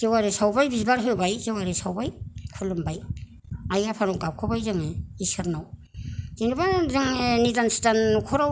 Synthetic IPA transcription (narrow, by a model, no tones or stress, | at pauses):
zewaɾesawbajbizbaɾɦɯbajzewaɾesawbajkʰɯlːɯmbaj | ajɡapʰanɔkawkʰɯbajzɯŋeisɯɾnaw | zinɯbazɯŋnidanstankʰɔɾa